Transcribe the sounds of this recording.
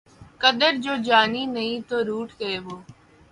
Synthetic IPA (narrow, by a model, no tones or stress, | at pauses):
kəd̪əɾd͡ʒoːd͡ʒaːniːnəĩːt̪oːɾuːʈʰkəeːboː